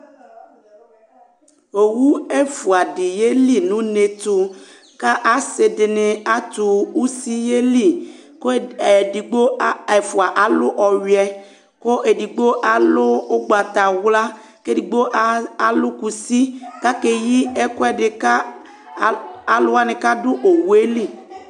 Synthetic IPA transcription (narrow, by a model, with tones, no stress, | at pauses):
o˨wu˦e˦fu˨a˨ɖi˨je˦li˦nũ˦ne˨t̪o˨ | ka˦ʔa˨se˨de˨ne˨a˦t̪u˨u˦si˦je˦li˦˨ | ko˦e˨di˨ɡ͡bo˦e˨fu˨a˨ʔa˨lo˦ʔɔ˨ɥi˨ɛ˦ | ko˦ʔe˨di˨ɡ͡bo˦ʔa˨lʊ˦o˦ɡ͡ba˨t̪a˨wla˦ | ke˦di˨ɡ͡bo˦ʔa˨lʊ˦ku˨si˦ka˦ke˨ji˦ɛ˦ko˦ɛ˦ɖɪ˨ka˦ | a˨lʊ˦a˦ne˨ka˦dʊ˦ʔo˨wu˦e˦li˦˨